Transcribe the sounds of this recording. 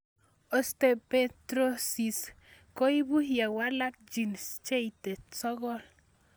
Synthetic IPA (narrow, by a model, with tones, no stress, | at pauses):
o˨st̪e˨pe˦t̪ɾo˦si˨s | ko˦i˦bu˦hja˨wa˦la˦k̚d͡ʒi˨nst͡ʃe˦jt̪e˨t͡sɔ˦ɣɔ˦l